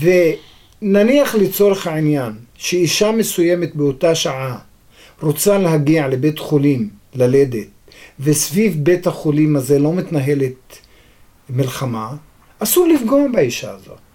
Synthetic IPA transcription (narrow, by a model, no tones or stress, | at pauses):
ve | naniaχlet͡so̞ɾeχhaʕinjanʃeiʃame̞sujemet̪beotaʃaʕa | ɾot͡saleɦaɡiaʕle̞bet̪χolimlaled̪et̪̚ | vesvivbet̪haχolimhaze̞lo̞mit̪naɦe̞let̚ | milχama | asulifɡoabaiʃaazo̰